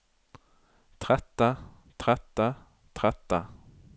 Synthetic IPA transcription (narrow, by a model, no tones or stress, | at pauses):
t̪ʰɾɛt̪ːa | t̪ʰɾɛt̪ːa | t̪ʰɾɛt̪ːa